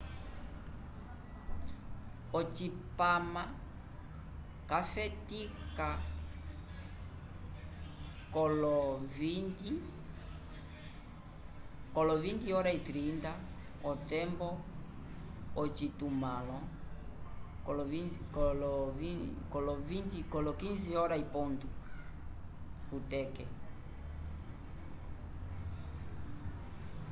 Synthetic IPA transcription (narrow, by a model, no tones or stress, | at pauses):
ɔt͡ʃipama | kafɛtika | kɔlɔvindi | kɔlɔvindiɔɾait̪ɾinta | ɔt̪ɛmbɔ | ɔt͡ʃit̪umalɔ | klvikɔlɔvikɔlɔvint̪ikɔlɔkinziɔɾaipɔnt̪u | ut̪ɛkɛ